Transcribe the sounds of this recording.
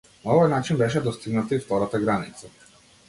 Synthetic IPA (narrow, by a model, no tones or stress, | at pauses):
naɔvɔjnat͡ʃinbɛʃ̬ɛd̪ɔst̪iɡnat̪aift̪ɔɾat̪aɡɾanit̪sa